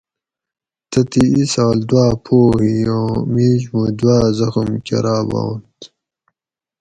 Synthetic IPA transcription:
t̪ɐt̪iisaːld̪waːpʰoːhijoːmiːʑmud̪waːzɐxumkɐ̰ɾʔaːba̰ːnt̪

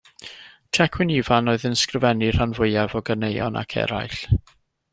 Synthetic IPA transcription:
tʰɛkʰwɪnivanoːɨðənskrəvɛnir̥anvʊjavɔɡənejɔ̰nʔa̰kʰɛ̰ɾa̰jɬ

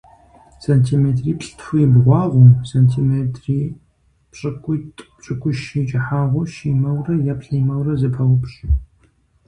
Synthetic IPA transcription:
sɐntʰiːmeːtʰriːpɬʼtʰfʷʊjbʁʷɑːʁʷʊmsɐntʰimetʰʼriː | pɕʼɨkʷʰʼʊtʼpɕʼɨkʷʊʃid͡ʒɪħaːʁʷʊʃiːmɐwrɐjɐpɬiːmɐwrɐzɐpʰɐwʊpɕ

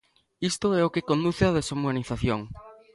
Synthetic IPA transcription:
ist̪oɛokekond̪uθɪaðesomaniθaθjoŋ

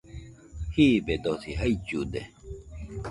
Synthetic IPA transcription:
hibed̪osiɦɐit͡ɕud̪ḛ

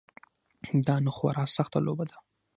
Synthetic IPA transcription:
d̪ɑnʊxwa̰ɾɑsaxt̪alobad̪a

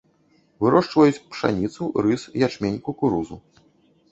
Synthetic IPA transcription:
vɨɾɔʂt͡ʂvɐjut͡sʲpʂa̰nʲit̪suɾɨsjat͡ʂmʲenʲkukuɾuzu

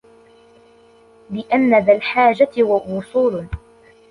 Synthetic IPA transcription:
lɪʔanːaðalħaːd͡ʒat̪waʔuːsˤuːl

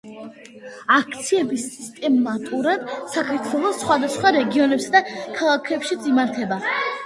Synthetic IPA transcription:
ak̚ʰt̪sʰiɛbisːist̪ʼɛmːat̪ʼuɾad̪̥sakʰaɾt̪ʰwɛlˠɔsχwad̪asχwaɾɛɡiɔnɛpsad̪akʰalˠakʰɛpʃit̪sʼimaɾt̪ʰɛba

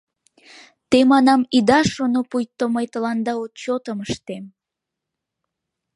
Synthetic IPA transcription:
t̪emɑnɑmid̪ɑʃonopujt̪ːomojt̪əlɑnd̪ɑot̪̚t͡ɕot̪əməʃt̪em

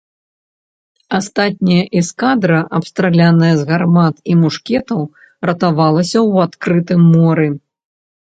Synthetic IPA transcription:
ast̪at̪̚ʲnʲijɐʔiskad̪ɾɐʔɐpst̪ɾalʲanɐjɐzɣarmat̪imuʂkʲɛt̪ɐw | rɐt̪avalˠɐsʲɐwat̪kɾɨt̪ɨmːɔɾɨ

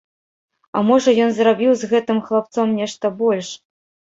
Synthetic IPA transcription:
ɐ̰mɔʐɐjɔnzrabʲiwzɣɛt̪ɨmxlˠap̚t̪sɔmnʲɛʂt̪ɐbɔlʲʂ

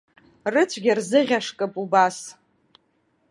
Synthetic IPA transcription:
rɨt͡ɕʷʰɡʲɪrzɨʁʲaʂkʼɨpʼubas

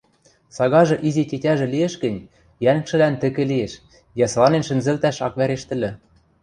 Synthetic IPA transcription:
sɑɣɑʒɤ̆ʔizetʲetʲæʒĕliĕʃkɘ̆nʲ | jænɘ̆kʃɘ̆lænt̪ɘ̆kɘ̆lieʃ | jɑslɑnenʃɘ̆nzɘ̆lt̪æʃɑkβæɾeʃt̪ɘ̆lʲɘ̆

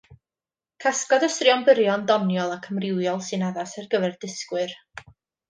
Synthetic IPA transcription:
kʰaskɔdəsrɪɔnbəɾjɔndɔnjɔlˠakʰəmrɪwjɔlˠsɨnaðasɛrɡəvɛrdɪskwɨr

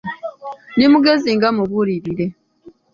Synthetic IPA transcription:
nimuɡeziŋɡamuβuɾiɾiɾe̞

